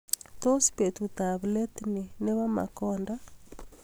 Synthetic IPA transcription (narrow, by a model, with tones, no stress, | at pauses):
t̪o˦spe˨t̪u˨t̪a˨βle˦t̪ni˨ne˦βa˦ma̰˨kɔ˦nda˦